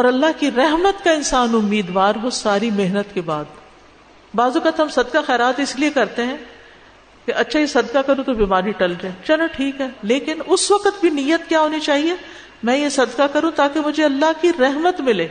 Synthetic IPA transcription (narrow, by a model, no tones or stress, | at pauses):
ɔːɾɐlːaɦkiɾɛɦmət̪kaɪ̃nsaːnʊmːiːd̪ʋaːɾɦosaːɾimeɦnət̪kebaːd̪ | baːzʊkət̪ɦɐmsɐd̪kaxɛːɾaːt̪ɪsliekɐɾt̪eɦɛ̃ː | keʔɐtːʃʰajesɐd̪kakɐɾũt̪obiːmaːɾiʈɐld͡ʒaẽːt͡ʃɐlãʈʰiːkɦɛːleːkɪnʊsʋɐqət̪̚bʱinijːət̪̚kjaːɦoːnit͡ʃaːɦie | mɛ̃ːjesɐd̪kakɐɾũt̪aːkemʊd͡ʒʱeɐlːaɦkiɾɛɦmət̪mɪleː